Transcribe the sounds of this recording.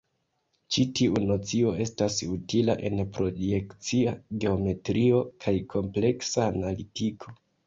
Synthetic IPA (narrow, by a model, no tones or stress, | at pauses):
t͡ʃitʰiʔuno̞t͡sio̞e̞stasutilaʔe̞̰npɾo̞je̞kt͡siaɡe̞o̞me̞tɾio̞kʰajkʰo̞mple̞ksaːnalitikʰo̞